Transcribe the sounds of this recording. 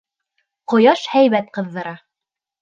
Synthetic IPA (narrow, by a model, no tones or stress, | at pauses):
qŏjɑʃhæjβæt̪̚qɤ̆ðːɤ̆ɾɑ